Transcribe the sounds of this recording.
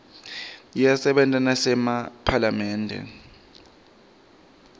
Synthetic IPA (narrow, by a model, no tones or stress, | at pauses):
jasɛɓɛntʼanasɛmapʰalamɛːndʱɛ̰